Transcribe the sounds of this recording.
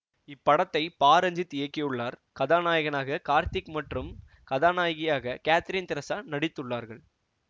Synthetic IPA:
ɪpːɐɽɐt̪ːɐɪpaːɾɐɲd͡ʒɯt̪ːɪjɐkːɪjɯɭːaːɾkɐðaːnaːjɣɐnaːɣɐkaːɾt̪ɪkmɐʈrɯm | kɐðaːnaːjɣɪjaːɣɐkaːt̪ɪɾiːnt̪ɪɾɐsaːnɐɽɪt̪ːɯɭːaːɾɣɐɭ

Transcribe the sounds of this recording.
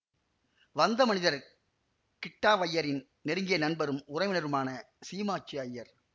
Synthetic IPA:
ʋɐnd̪ɐmɐnɪðɐɾ | kɪʈːaːʋɐjːɐɾɪn | nɛɾɯŋɡɪjɐnɐnbɐɾɯmʊrɐɪʋɪnɐɾɯmaːnɐ | siːmaːt͡ʃːɪɐjːɐɾ

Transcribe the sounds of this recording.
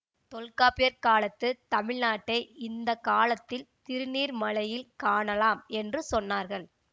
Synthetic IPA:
t̪ɔlkaːpɪjɐɾkaːlɐt̪ːɯt̪ɐmɪɭnaːʈːɐɪɪnd̪ɐkaːlɐt̪ːɪlt̪ɪɾɯniːɾmɐlɐjɪlkaːɳɐlaːmɛndrɯsɔnːaːɾɣɐɭ

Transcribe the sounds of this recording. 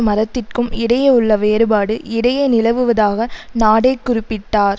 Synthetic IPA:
mɐɾɐt̪ːɪrkɯmɪɽɐjɐʊɭːɐʋeːɾɯbaːɽɯʔɪɽɐjɐnɪlɐʋɯʋɐðaːɣɐnaːɽɐɪkːʊɾɪpːɪʈːaːɾ

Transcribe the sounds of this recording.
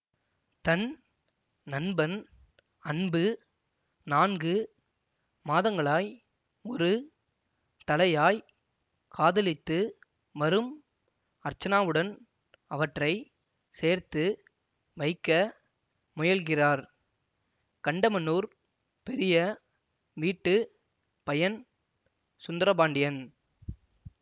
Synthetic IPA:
t̪ɐn | nɐnbɐn | ɐnbɯ | naːnɡɯ | maːðɐŋɡɐɭaːj | ɔɾɯ | t̪ɐlɐjaːj | kʰaːðɪlɪt̪ːɯ | ʋɐɾɯm | ɐɾt͡ʃːɐnaːʋɯɽɐn | ɐʋɐʈrɐɪ | seːɾt̪ɯ | ʋɐɪkːɐ | mʊjɐlɣɪraːɾ | kɐɳɖɐmɐnːuːɾ | pɛɾɪjɐ | ʋiːʈːɯ | pɐjɐn | sʊnd̪ɾɐbaːɳɖɪjɐn

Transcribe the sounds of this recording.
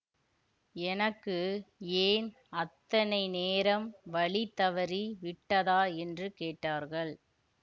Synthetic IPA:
ɛnɐkːɯeːn | ɐt̪ːɐnɐɪneːɾɐmʋɐɭit̪ːɐʋɐɾiʋɪʈːɐðaːɛndrɯkeːʈːaːɾɣɐɭ

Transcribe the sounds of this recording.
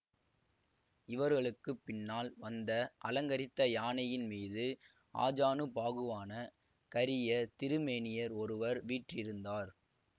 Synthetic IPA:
ɪʋɐɾɣɐɭɯkːɯpːɪnːaːlʋɐnd̪ɐʔɐlɐŋɡɐɾɪt̪ːɐjaːnɐjɪnmiːðɯ | a̰ːd͡ʒaːnɯpaːɣɯʋaːnɐ | kɐɾɪjɐt̪ɪɾɯmeːnɪjɐɾɔɾɯʋɐɾʋiːʈrɪɾɯnd̪aːɾ

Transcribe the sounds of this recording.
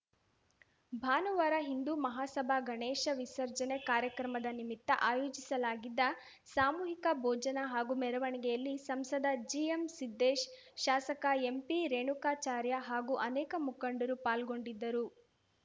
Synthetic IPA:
bʱaːnuʋaːɾɐɦind̪umɐɦaːsɐbʱaɡʱɐɳeːʃɐʋisɐɾd͡ʒɐnekaːɾjɐkɾɐmɐd̪ɐnimit̪ːɐʔaːjoːd͡ʒisɐlaːɡid̪ːɐ | saːmuːɦikɐbʱɔːd͡ʒɐnɐɦaːɡumɛɾɐʋɐɳiɡɛjɐlːisɐmsɐd̪ɐd͡ʒiemsid̪ːeːʃ | ʃaːsɐkɐempiɾeːɳukaːt͡ʃaːɾjɐɦaːɡuʔɐnɛːkɐmukɐɳɖɐɾupaːlɡo̞ɳɖid̪ːɐɾu

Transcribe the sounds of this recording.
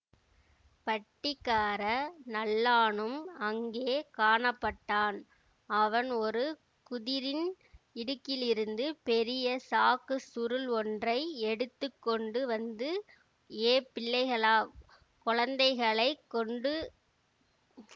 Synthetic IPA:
pɐʈːɪkːaːɾɐnɐlːaːɳɯmɐŋɡeːkaːɳɐpːɐʈːaːn | ɐʋɐnɔɾɯ | kʊðɪɾɪn | ɪɽɯkːɪlɪɾɯnd̪ɯpɛɾɪjɐsaːkɯsʊɾɯlɔndrɐɪɛɽɯt̪ːɯkːɔɳɖɯʋɐnd̪ɯ | eːpːɪɭːɐɪɣɐɭaː | kɔɻɐnd̪ɐɪɣɐɭɐɪkːɔɳɖɯ

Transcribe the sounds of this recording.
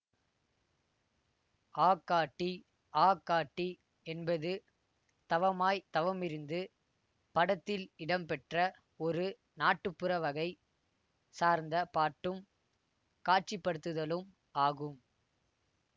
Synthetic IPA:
aːkːaːʈːi | aːkːaːʈːi | ɛnbɐðɯ | t̪ɐʋɐmaːjt̪ɐʋɐmɪɾɯnd̪ɯ | pɐɽɐt̪ːɪlɪɽɐmpɛʈrɐ | ɔɾɯ | naːʈːɯpːɯɾɐʋɐɣɐɪ | saːɾnd̪ɐpaːʈːɯm | kaːʈ̚t͡ʃipːɐɽɯt̪ːɯðɐlɯm | aːɣɯm

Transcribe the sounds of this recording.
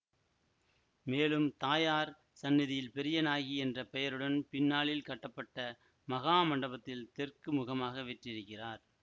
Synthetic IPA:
meːlɯmt̪aːjaːɾ | sɐnːɪðɪjɪlpɛɾɪjɐnaːɣiɛndrɐpɛjɐɾɯɽɐnpɪnːaːɭɪlkɐʈːɐpːɐʈːɐ | mɐɣaːmɐɳɖɐbɐt̪ːɪlt̪ɛrkɯmʊɣɐmaːɣɐʋɛʈrɪɾɯkːɪraːɾ

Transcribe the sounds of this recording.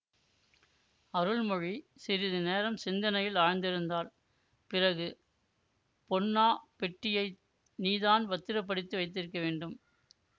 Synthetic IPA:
ɐɾɯɭmɔɻisɪɾɪðɯneːɾɐmsɪnd̪ɐnɐjɪlaːɻɐnd̪ɪɾɯnd̪aːɾ | pɪrɐɣɯ | pɔnːaːpɛʈːɪjɐɪ | niːðaːnʋɐt̪ːɪɾɐp̬ːɐɽɯt̪ːɯʋɐɪt̪ːɪɾɯkːɐʋeːɳɖɯm

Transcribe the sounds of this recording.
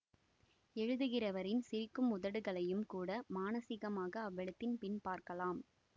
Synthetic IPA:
ɛɻɯðɯɣɪrɐʋɐɾɪnsɪɾɪkːɯmʊðɐɽɯɣɐɭɐjɯmkuːɽɐmaːnɐsɪɣɐmaːɣɐːʋːɛɭɯt̪ːɪnpɪnpaːɾkɐlaːm

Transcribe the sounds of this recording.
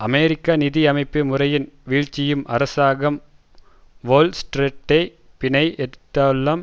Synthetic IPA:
ɐmeːɾɪkːanɪðiɐmɐɪpːɯmɯrɐjɪnʋiːɻt͡ʃːɪjɯmʔɐ̰ɾɐsaːɣɐm | ʋoːlsʈɾeʈːɐɪ | pɪɳɐɪɛt̪ːɐlːɐm

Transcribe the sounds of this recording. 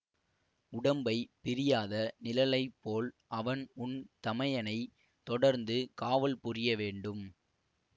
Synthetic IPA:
ʊɽɐmbɐɪpɪɾɪjaːðɐnɪlɐlɐɪpːoːlʔɐʋɐnʊnt̪ɐmɐjɐnɐɪ | t̪ɔɽɐɾnd̪ɯkaːʋɐlpʊrɪjɐʋeːɳɖɯm

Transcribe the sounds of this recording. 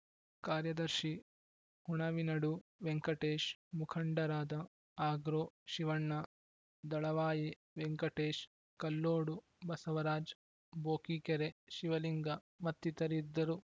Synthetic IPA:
kaːɾjɐd̪ɐɾʃi | huɳɐʋinɐɽuʋeŋkɐʈeːʃmukʰɐɳɖɐɾaːd̪ɐ | aːɡɾoːʃiʋɐɳːɐ | d̪ɐɭɐʋaːje | ʋeŋkɐʈeːʃ | kɐlːoːɽu | bɐsɐʋɐɾaːd͡ʒ | boːkiːkeɾeʃiʋɐliŋɡɐ | mɐt̪ːit̪ɐɾid̪ːɐɾu

